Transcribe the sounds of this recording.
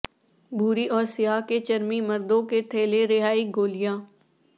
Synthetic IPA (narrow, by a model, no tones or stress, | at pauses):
bʱuːɾiʔɔːɾsɪjaːket͡ʃɐɾmimɐɾd̪õket̪ʰeːleɾɪɦaːiɡoːlijãː